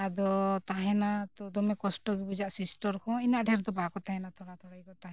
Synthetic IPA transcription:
ad̪ɔt̪aɦɛnat̪ɔd̪ɔmɛkɔsʈɔɡibud͡ʒaʔsisʈɔɾkʰɔ̃inaʔɖʱɛɾd̪ɔbakɔt̪aɦɛnat̪ʰɔɽat̪ʰɔɽajkɔt̪aɦɛ̃

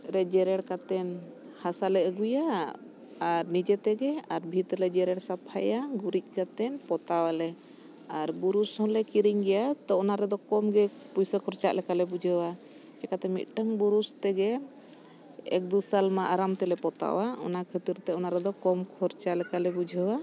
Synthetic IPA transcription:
ɾɛd͡ʒɛɾɛɽkat̪ɛn | hasalɛəɡujaː | ɾnid͡ʒɛt̪ɛɡɛaɾbʱit̪ɾlɛd͡ʒɛɾɛɽsapʰajaɡuɾic̚ˀkat̪ɛnpɔt̪awalɛ | aɾbuɾushɔ̃lɛkiɾiɲɡɛjat̪ɔɔnaɾɛd̪ɔkɔmɡɛ | pujsəkʰɔɾt͡ʃa̰ʔlɛkalɛbud͡ʒʱəwa | t͡ʃɛkat̪ɛmḭt̪̚ʈəŋbuɾust̪ɛɡɛ | ɛ̰k̚d̪usalmaʔaɾamt̪ɛlɛpɔt̪a̰waɔ̰nakʰət̪iɾt̪ɛɔnaɾɛd̪ɔkɔmkʰɔɾt͡ʃaʔlɛkalɛbud͡ʒʱəwa

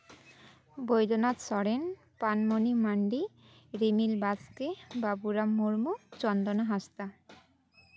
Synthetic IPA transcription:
bojd̪onat̪sɔɽen | panmonimaɳɖi | ɾemilbaskebabuɾamuɾmut͡ɕɔnd̪onaɦast̪a

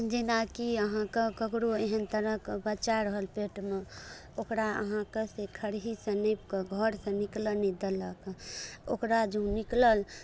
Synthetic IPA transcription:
d͡ʒinakiəɦãkekəkɾoeɦənt̪əɾəkbət͡ʃaɾəɦəlpeʈme | okɾaə̰ɦãkesekʰəɽɦisə̃nəp̚kəɡʱəɾsə̃niklənid̪eləkokɾad͡ʒõnikləl

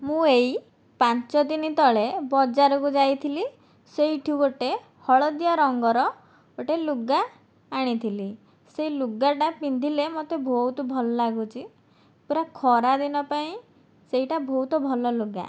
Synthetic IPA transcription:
mũej | pant͡ʃɔd̪init̪ɔɭebɔd͡ʒaɾɔkud͡ʒajt̪ʰili | seɦiʈʰioʈe | hɔɭɔd̪ijaɾɔŋɡɔɾɔ | oʈeluɡaː | ɽ̃it̪ʰili | seiluɡaʈapind̪ʱilemot̪ebʱoɦut̪ɔbʱɔlɔlaɡut͡ʃʰi | puɾakʰɔɾad̪inɔpaĩ | seɦiʈabʱɔɦut̪ɔbʱɔlɔluɡa̰

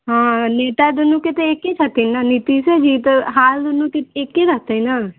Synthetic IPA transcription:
ɦãːneːʈ̪aːd̪ʊnũːkɪt̪eekːet͡ʃʰət̪inaːnit̪iːsɛd͡ʒiːt̪əɦaːld̪ʊnũːkɪt̪ːkːeɾət̪inaː

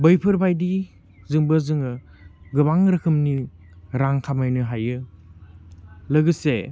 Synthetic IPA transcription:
bɯjpʰɯɾbajdi | zɯŋbɐzɯŋɯ | ɡɯbaŋɾɐkʰɯmni | ɾaŋkʰamajnɯɦajɯ | lɯɡɯse

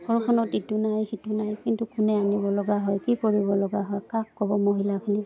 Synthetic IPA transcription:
ɔɹkʰɔnɔtitunajxitunajkintukʊnɛanibɔlɔɡaɦɔjkikoɹibɔlɔɡaɦɔjkakːɔbɔmoɦilakʰini

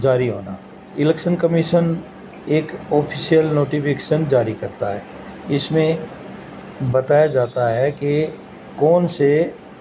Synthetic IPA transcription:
d͡ʒaːɾiɦoːnaː | ɪlɛːkʃənkɐmiʃən | eːkɔːpʰisijəlnoːʈipʰɪkeːʃənd͡ʒaːɾikɐɾt̪aɦɛː | ɪsmẽ | bɐt̪aːjad͡ʒaːt̪aɦɛke | kɔːnse

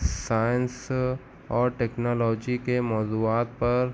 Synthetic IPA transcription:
saːə̃ns | ɔːɾʈeːknɔːlɔːd͡ʒikemɔːzuːaːt̪̚pɐɾ

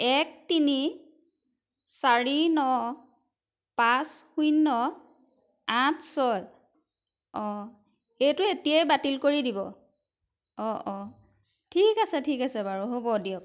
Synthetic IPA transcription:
ɛk̚tini | saɹinɔ | pasxujnːɔ | atʰsɔj | ɔ̃ | ejtʊetijajbatilkoɹidibɔ | ɔʔɔ̃ | tʰikasɛtʰikasɛbaɹuɦobɔdiɔk̚

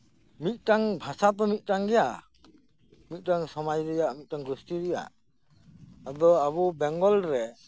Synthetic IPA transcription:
mit̪̚ˀʈaŋbʱasat̪̬ɔmit̪̚ˀʈaŋɡɛja | tmit̪̚ʈaŋsɔmajɾɯjaʔmit̪̚taŋɡɾustiɾɯja̰ | ad̪ɔaβɔbɛŋɡɔlɾɛ

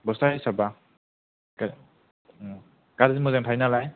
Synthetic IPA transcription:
bɔstajsaba | ka | kaɾzimuzaŋtʰajnalaj

